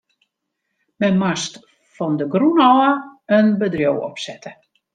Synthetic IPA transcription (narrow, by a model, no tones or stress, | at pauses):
mɛnmast | fɔndəɡrunɔəənbədrjowɔ̰psɛtə